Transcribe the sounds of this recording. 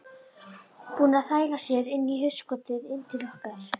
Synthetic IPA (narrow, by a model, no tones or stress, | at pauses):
puːnaθaːjlasjɛɾɪnːiɦʏskɔːt̪ɪðɪnːt̪ʰɪlœhkaɾ̥